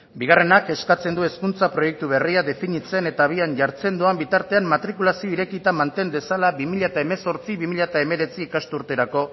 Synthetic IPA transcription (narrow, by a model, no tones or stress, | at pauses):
biɣ̞are̞nake̞skat͡se̞nd̪ue̞skunt͡sapɾo̞je̞k̚t̪uβ̞e̞riaðe̞fiɲit͡se̞ne̞t̪aβ̞ianʝaɾt͡se̞nd̪uambit̪aɾt̪e̞ammat̪ɾikulasioiɾe̞kit̪amant̪e̞nd̪e̞salaβimiʎaet̪aeme̞so̞ɾt͡siβimiʎaet̪aeme̞ɾe̞t͡siːkast̪uɾt̪e̞ɾako̞